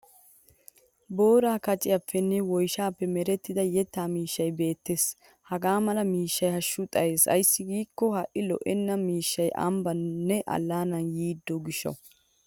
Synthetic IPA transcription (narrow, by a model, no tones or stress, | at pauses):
bo̞ːɾaːkɐt͡ʃʼɪjɐpːɛnːɛwɔjʃaːpːɛmɛɾɛt̪ːɪd̪ɐjɛt̪ːaːmiːʃːɐjbe̞ːt̪ːes | hɐɡaːmɐlɐmiːʃːɐjhɐʃːʊt̪ʼɐjeːsɐ̰jsːɪɡiːkːɔhɐʔɪlɔ̰ʔɛnːɐmiːʃːɐjʔɐ̰mbɐnːɛʔɐ̰lːaːnɐnjiːd̪ːɔɡɪʃːɐ̰